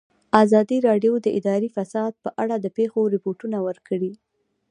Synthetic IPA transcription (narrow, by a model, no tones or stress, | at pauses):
azɑd̪iɾɑɖjod̪əʔɪd̪ɑɾifasɑd̪̚pəʔaɽad̪əpexoɾɪpoʈunawəɾkəɽi